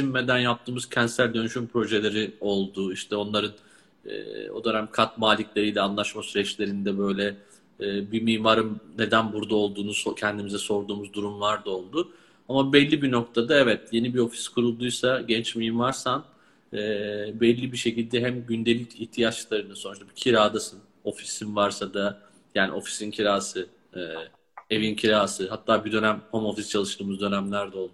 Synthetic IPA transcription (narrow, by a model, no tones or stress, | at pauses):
simːed̪ænjap̚t̪ʰɯːmuz̥cʰɛnsæɾd̪ø̞nyʃympɾo̞ʒe̞lʲe̞ɾio̞lˠd̪uiʃt̪ʰɛo̞nlˠaɾɯn | ɛ̰ːo̰d̪øɾamkʰat̪maːlʲiclʲe̞ɾijlʲɛanlˠaʃmasyɾɛt͡ʃlʲe̞ɾind̪ɛbø̞jlʲɛː | bimiːmaɾɯnnːe̞d̪ænbuɾd̪ao̞lˠd̪uːnusocʰɛnd̪imizɛso̞ɾd̪uːmuzd̪uɾumlˠaɾd̪ao̞lˠd̪u | amabɛlʲːibino̞k̚t̪ʰad̪aɛvɛt̪je̞nibio̞fi̥skʰuɾulˠd̪ujsaɟɛnt͡ʃmimaɾsan | ɛːbɛlʲːibiʃe̞cilʲd̪ɛɦæmɟynd̪e̞lʲicʰiht̪ʰijat͡ʃlˠaɾɯnasonuʃt̪abicʰiɾaːd̪asɯn | o̞fi̥sinvaɾsad̪a | jaːnḭo̞fi̥sincʰiɾaːsɯ | ɛː | e̞vincʰiɾaːsɯɦat̪ʰːaːbid̪ø̞næmhomo̞fist͡ʃʰalˠɯʃt̪ɯːmuzd̪ø̞næmlʲæɾd̪ɛo̞lˠd̪u